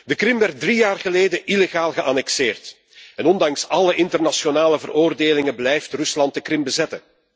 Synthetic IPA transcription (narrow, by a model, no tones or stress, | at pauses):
dəkrɪmʋɛrt̚drijaːrɣəleːdəʔileɣaːlˠɣəʔanɛkseːrt | ɛnɔndɑŋsɑləʔɪntərnasjonaːləvərʔoːrdeːlɪŋəblɛjftrʏslɑnt̚dəkrɪmbəzɛtən